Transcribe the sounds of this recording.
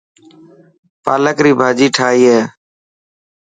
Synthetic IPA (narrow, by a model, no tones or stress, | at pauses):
paːləkɾiːbʱaːd͡ʒiːʈʰaːɦiːɦeː